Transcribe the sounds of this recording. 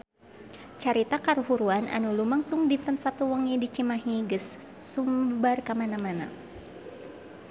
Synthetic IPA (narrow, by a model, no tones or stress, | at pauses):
t͡ʃaɾit̪akaɾuɦuɾuanʔa̰nulumaŋsuŋdit̪ənsat̪uwaŋidit͡ʃimaɦiɡəsːumbarkamanamana